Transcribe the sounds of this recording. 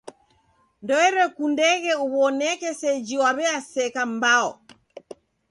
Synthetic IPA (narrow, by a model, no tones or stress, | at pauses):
ndɔɛɾɛkundɛɣɛuβɔnɛkɛsɛd͡ʒiwaβɛasɛkambaɔ